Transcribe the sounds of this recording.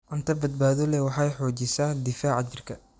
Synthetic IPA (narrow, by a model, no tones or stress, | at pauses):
ʔʊnt̪ʰɐbɐd̪̚baːðɔlɛwɑħɑjħɔːt͡ʃɪsaːd̪ɪfaːʕɑd͡ʒɪrkʰɐ